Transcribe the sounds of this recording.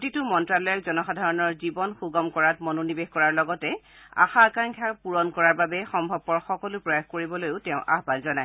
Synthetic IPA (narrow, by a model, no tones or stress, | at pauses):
ktitʊmɔntɹalɔjɔk̚zɔnɔxadʱaɹɔnɔɹzibɔnxuɡɔmkɔɹatmɔnonibexkɔɹaɹlɔɡɔtɛ | a̰xaːkaŋkʰapuɹɔnkɔɹaɹbabɛxɔmbʱɔb̚ːɔɹxɔkɔlʊpɹɔjaxkoɹibɔlojʊtɛʊ̃ʔa̰ɦbanzɔnaj